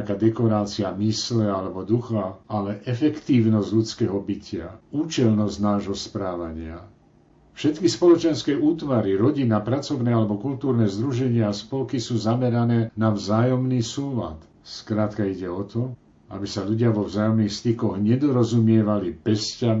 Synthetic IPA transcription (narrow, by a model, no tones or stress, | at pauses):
kaːd̪ɛkɔɾaːt͡siamislɛalɛbɔd̪uxaalɛʔɛfɛkt̪iːʊnɔzɟʎut͡skɛːɦɔbicɪauːt͡ʃɛlnɔznaːʒɦɔspɾaːʋaɲɪa | fʃɛt̪kispɔlɔt͡ʃɛnskɛjuːt̪ʋaɾiɾɔɟinapɾat͡sɔʋnɛːalɛbɔkult̪uːɾnɛːzd̪ɾuʒɛɲɪaːspɔlkisuːzamɛɾanɛːnavzaːjɔmnisuːla̰t̪ | skɾaːt̪kaiɟɛɔt̪ɔ | a̰bisaʎuɟɪaʋɔvzaːjɔmniːxst̪ikɔɣɲɛd̪ɔɾɔzumɪɛʋalipɛsca